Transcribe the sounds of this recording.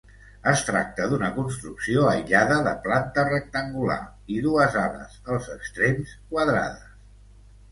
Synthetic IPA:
əst̪ɾa̰k̚t̪əðunəkunst̪ɾuksioəjʎaðəðə̰plant̪ərək̚t̪əŋɡula̰ | iðuəzaβə̰zəlˠzəkst̪ɾemskwaðɾa̰ðəs

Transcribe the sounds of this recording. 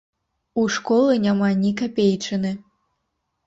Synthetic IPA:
uʂkɔlˠɨnʲamanʲikapʲejt͡ʂɨnɨ

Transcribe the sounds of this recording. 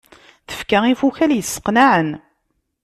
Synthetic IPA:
θə̥fkaifuçæljəsːə̥qnaʕən

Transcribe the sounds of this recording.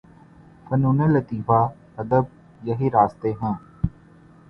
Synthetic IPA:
kənũːneːlət̪iːfaː | əd̪əb̚ | jəɦiːɾaːst̪eːɦɛ̃ː

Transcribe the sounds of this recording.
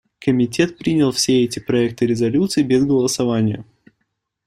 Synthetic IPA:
kəmʲɪtʲe̞t̪̚pɾʲinʲɪlˠfsʲeɛtʲɪpɾɐɛk̚t̪ɨɾʲɪzɐlʲut̪sɨɪːbʲɪzɡəlˠəsɐvanʲɪjə̰

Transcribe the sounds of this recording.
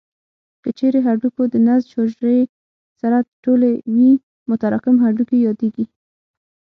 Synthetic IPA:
kət͡ʃeɾeɦaɾɖukod̪ənazʃoʒɾe | saɾaʈolewi | mʊt̪aɾɑkɪmɦaɖukejɑd̪eɡi

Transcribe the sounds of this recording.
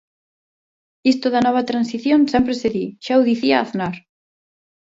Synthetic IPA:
ist̪ʊðɐnɔβɐt̪ɾansiθjonsɛmpɾeseðiʃauðiθiaaθnaɾ

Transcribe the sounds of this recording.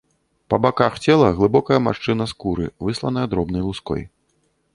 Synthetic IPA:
pɐbakaxt͡sʲɛlˠɐɣlˠɨbɔkɐjɐma̰ʂt͡ʂɨnɐskuɾɨ̰vɨslˠɐnɐjɐd̪ɾɔbn̪ɐjlˠuskɔ̰j

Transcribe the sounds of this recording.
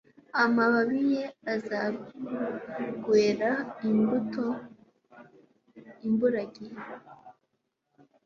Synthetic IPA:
amaβaβijeaza | ɡweːɾaimbuto | imbuɾaɡi

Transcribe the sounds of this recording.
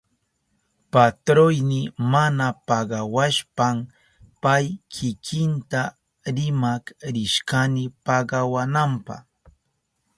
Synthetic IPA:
pat̪ɾojnɪmanapɑɢɑwaʃpam | pajkʰɪkʰɪnt̪a | ɾɪmakɾɪʃkanɪpɑɢɑwanampɑ̰h

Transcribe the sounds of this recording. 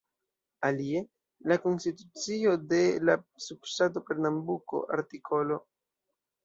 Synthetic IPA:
alie̞ | lako̞nstitut͡sio̞de̞lasubstat̬ope̞ɾnambuko̞̰a̰ɾtikʰo̞lo̞

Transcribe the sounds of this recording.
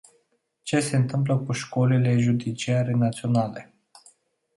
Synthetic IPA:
t͡ʃe̞se̞ɨnt̪ɨmp̬ləkuʃko̞lile̞ʒud̪it͡ʃiaɾenat̪sio̞nale̞

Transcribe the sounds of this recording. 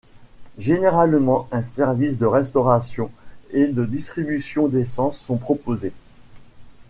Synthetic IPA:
ʒeneʁalmɑ̃ɛ̃sɛʁvisd̪əʁɛst̪ɔʁasjɔ̃ed̪əd̪ist̪χibysjɔ̃d̪esɑ̃sːɔ̃pχɔpoze

